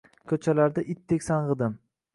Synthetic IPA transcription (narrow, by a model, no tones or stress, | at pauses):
kʰɵt͡ʃʰalaɾd̪aʔɪt̪ʰːekʲsanʁɨd̪ɪm